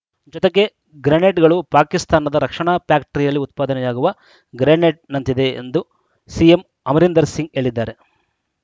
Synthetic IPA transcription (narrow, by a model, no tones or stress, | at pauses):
d͡ʒɔt̪eɡːe̞ | ɡɾeneʈɡɐɭupaːkist̪aːnɐd̪ɐɾɐkʂɐɳaːpjaːkʈɐɾijɐlːiut̪̚paːd̪ɐnɛjaːɡuʋɐ | ɡɾeːneʈ̚nɐnt̪id̪e̞ḛnd̪u | siem | ɐmɐɾind̪ɐɾsiŋɡe̞ːɭid̪ːaːɾe̞